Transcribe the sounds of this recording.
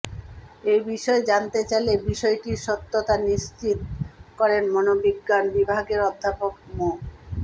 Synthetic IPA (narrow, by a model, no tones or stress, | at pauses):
ejbiʃɔed͡ʑant̪et͡ɕajlebiʃɔeʈiʃot̪ːot̪aniʃt͡ɕit̪kɔɾenmonobiɡːanbibʱaɡeɾɔd̪ʱːapokmo